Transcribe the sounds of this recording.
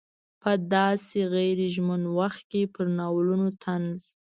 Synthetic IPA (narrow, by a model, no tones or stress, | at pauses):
pəd̪ɑseɣajɾeʒmənwaxt̪̚kepəɾnɑwlunot̪ʰanz